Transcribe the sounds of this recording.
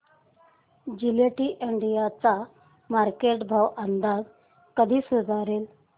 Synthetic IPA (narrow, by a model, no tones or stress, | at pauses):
d͡ʑileʈiːʔeɳɖijat͡sa | maɾkeʈbʱaʋənd̪ad͡z | kəd̪ʱiːsud͡zaɾel